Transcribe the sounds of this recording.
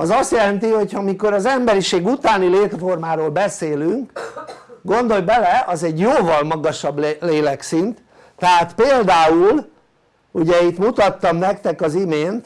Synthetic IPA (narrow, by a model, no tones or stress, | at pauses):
ɒzɒst̪jɛlɛnt̪iho̞chɒmiko̞ɾɒzɛmbɛɾiʃeːɡut̪aːnileːt̪fo̞rmaːɾoːlbɛseːlyŋk | ɡo̞nd̪o̞jbɛlɛʔɒzɛɟjoːvɒlmɒɡɒʃɒblleːlɛksint̪ | t̪ːɛɦaːt̪peːld̪aːul | uɟɛit̪mut̪ɒt̪ːɒmnɛkt̪ɛkɒzimeːnt̪